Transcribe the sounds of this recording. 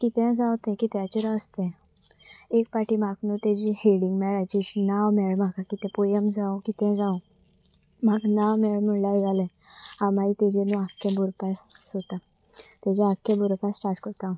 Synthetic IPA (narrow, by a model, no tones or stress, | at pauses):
kit̪ɛ̃d͡zãwt̪ɛ̃kit̪jat͡ɕəɾaəst̪ɛ̃ | ek̚paʈimaknut̪ed͡ʑiheɽiŋɡmɛɭajt͡ɕiɕnaʋmɛɭm̤akakit̪ɛ̃pojəmd͡zãũkit̪ɛ̃d͡zãw̃ | maknaʋmɛɭməɭlaʋiɡalɛ̃ | ãmait̪ed͡ʑẽnuakːebʱuɾpassot̪a | t̪ad͡ʑeakːẽbʱuɾpasʈaɾʈkəɾt̪ã